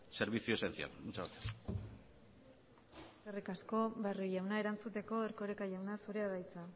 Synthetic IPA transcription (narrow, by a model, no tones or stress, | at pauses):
se̞ɾβisioe̞sent͡sia̰lut͡saβat̪e̥ | eskerikasko̞βariʝawnae̞ɾant͡sut̪e̞ko̞eɾko̞ɾekaʝawnasuɾeaðajt͡sa